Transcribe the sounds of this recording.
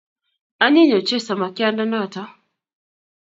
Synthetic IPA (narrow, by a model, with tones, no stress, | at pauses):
a˦ɲɛ˦ɲɔ˨t͡ʃɛ˦sa˨ma˨ki˦a˦nda˦na˦˨ta˦